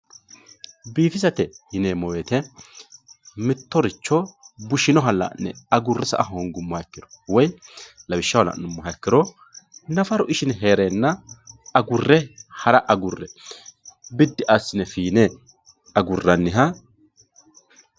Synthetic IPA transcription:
biːfɪsɐt̪ɛhɪneːmɔwɛt̪ɛ | mɪt̪ːɔɾɪt͡ʃːɔbʊʃɪnɔɦɐlːɐ̰nːɛ̰ɐɡʊrːɛsɐ̰ʔɐɦoŋɡʊmːɔhɐɛkːɪɾɔ̥wɔjlɐbɪʃːɐwɐlɐ̰ʔnːʊmːɔɦɐɛkːɪɾɔ | nɐfɐɾɔʔɪʃɪnɦe̞ːɾeːnːɐɐɡʊrːɛhɐɾɐʔɐɡʊrːɛ | bɪd̪ːɪʔɐsːɪnɛfiːnɛ | ɐɡʊrːɐnːɪɦɐ

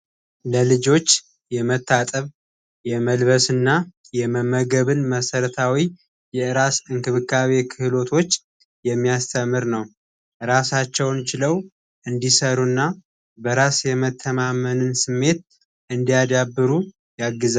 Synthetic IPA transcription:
ləlɨd͡ʒo̞t͡ʃː | jɛmət̪ʰːat̪ʼəβ | jɛməlβəsɨnːa | jɛməməɡəβɨnməsəɾət̪ʰawi | jɛɨɾasɨŋkɨβɨkʰːaβe̞kʰɨhlo̞t̪ʰo̞t͡ʃː | jɛmːijast̪ʰəmːɨɾnəw | ɾasat͡ʃːɛwnt͡ʃɪləw | ʔɨnd̪isəɾunːa | bəɾasjɛmət̪ʰːəmamənɨnsɨmːe̞t̪̚ | ʔɨnd̪ijad̪abːɨɾu | jaɡːɨza

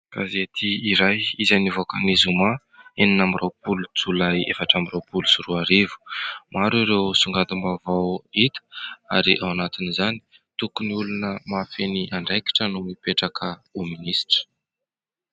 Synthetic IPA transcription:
kazeat̪ʰiːɾajizanivokanizuma | eninamirʔawpulud͡zulajḛfaʈ͡ʂamirawpulusuɾuaɾevu̥maɾiɾewsuŋɡand̪umbavawit̪ə̥a̰ɾiʔawanat̪inizani̥ | t̪ukuniulunəmafeniʔaɳɖ͡ʐejki̥ʈ͡ʂənumipeʈ͡ʂakʰəuminisʈ͡ʂə̥

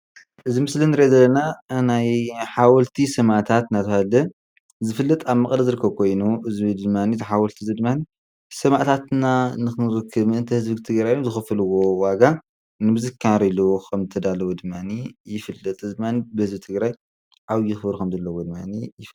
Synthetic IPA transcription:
ʔɨzimɨslinɨɾezɐlːɐnanajħawɔlt̪ʰisɐmaʕt̪ʰat̪nat̪ɐhalɐ | zɨfɨlːɐt̪ʼaβmɐkʼlɐzɨɾɨkʰːɐβkʰo̞jnuʔɨzβid̪ɨmːanizɨħawɔlt̪ʰizɨd̪ɨmːani | sɐmaʔt̪ʰat̪nanɨxɨɾɨkʰːɨβɨnt̪ʰɐhɨzbit̪ʰɨɡɾajozɨxɨfɨlɨwowaɡa | nɨbɨzɨkʰːaɾilowoxʰɐmzɨt̪ʰɐd̪alɐwod̪ɨmːanijɪfɨlːɐt̪ʼɨd̪ɨmːanibɨhɨzbit̪ʰɨɡɾaj | ʕawjɪxfɨɾukʰɐmzɐlːɐwod̪ɨmːanijɪf

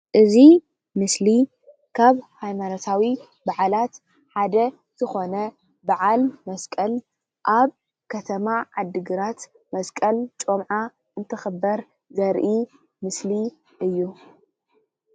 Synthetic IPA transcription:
ʔɨzi | mɨsli | kʰaβhajmanot̪ʰawi | baʕalat̪ | ħad̪ɐ | z̥ɨxo̞nɐ | baʕalmɐskʼɐl | ʔaβ | kʰɐt̪ʰɐmaʕad̪ːɨɡɨɾat̪ | mɐskʼɐlt͡ʃʼomʕa | ʔɨnt̪ʰɨxɨbːɐɾ | zɐɾʔi | mɨsli | ʔɨjːu

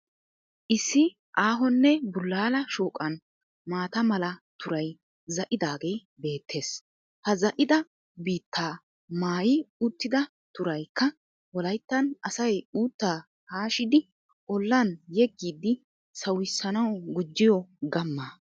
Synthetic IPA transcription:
ʔɪsːɪ | ʔaːɦɔnːɛbʊlːaːlɐʃuːkʼɐn | maːt̪ɐmɐlɐt̪ʊɾɐj | zɐʔɪd̪aːɡe̞j | be̞ːt̪ʰːe̞ːs | hɐzɐʔɪd̪ɐ | biːt̪ːaː | maːjɪʊt̪ːɪd̪ɐ | t̪ʊɾɐjkːɐ | wɔlɐjt̪ːɐnɐsɐjuːt̪ːaː | haːʃɪd̪ɪ | ʔɔlːɐnjɛɡːiːd̪ːɪ | sɐwɪsːɐnɐwɡʊd͡ʒːɪjɔɡɐmːa

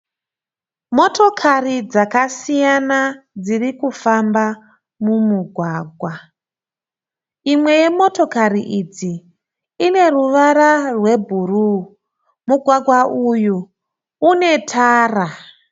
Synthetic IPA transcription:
mo̞to̞kʰarid͡zakasijanad͡zirikufamba | mumuɡʱwaːɡʱwa | imwe̞je̞mo̞to̞kaɾiʔid͡ziː | ne̞ruʋaɾarwe̞bʱuru | muɡʱwaɡwaʔujuː | ne̞tʰaːra

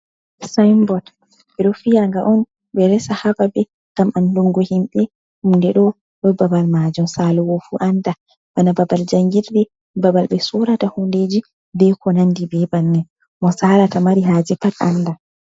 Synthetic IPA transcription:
sajmbɔt | ɓɛɗɔfiaŋɡaʔɔn | ɓɛɾɛsahababɛ | ŋɡ̥amanluŋɡɔhimɓɛ | humndɛɗɔ | ɗɔbabalmad͡ʒumsalɔwofuʔanda | banababald͡ʒaŋɡiɾdɛ | babalɓɛsɔɾatahunded͡ʒi | bɛkɔnandibɛbanːɛn | mɔsaɾatamaɾiɦad͡ʒɛpata̰nda

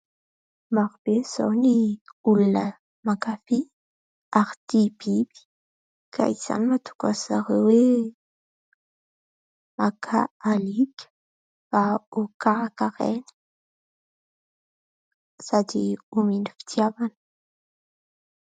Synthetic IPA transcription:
maɾib̥ez̥o̰wniulunə | makafi | aɾit̪ib̥ib̥i̥ | kʰa̰iz̥a̰nimat̪u̥kasa̰ɾewe | makʰa̰alikʲə̥ | faokaakaɾḛnə̥ | sad̪iuminifi̥t̪javanə̥

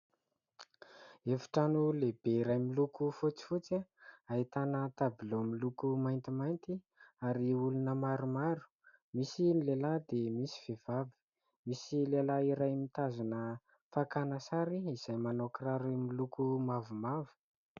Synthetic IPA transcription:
efi̥ʈ͡ʂanulebeiɾajmilukufut͡si̥fut͡saait̪anət̪abilomilukumajnt̪imajnt̪i | aɾiulunəmaɾumaɾu̥ | misinlelad̪emisi̥vev̥avi̥ | misilelaiɾajmit̪azunə | fakanəsaɾiiz̥ajmanokiɾaɾimilukumavumavə̥

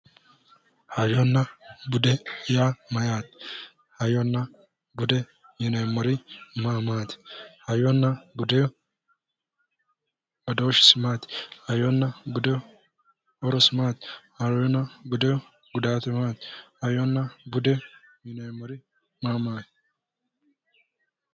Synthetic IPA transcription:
hɐjɔnːɐbʊd̪ɛjamɐjaːt̪ɪ̥ | hɐjɔnːɐ | bʊd̪ɛ | mɪnɛːmːɔɾɪmaːmaːt̪ɪ̥hɐjɔnːɐbʊd̪ɛjɔ | ɔd̪oʃɪ̥sɪmaːt̪ɪ̥hɐjɔnːɐbʊd̪ɛ | ɔɾɔsmaːt̪ɪ̥hɐɾɔjɔnːɐbʊd̪ɛjɔ | ɡʊd̪aːt̪ɛmaːt̪hɐjɔnːɐbʊd̪ɛ | mɪnɛjmːɔɾɪ | maːmaːt̪

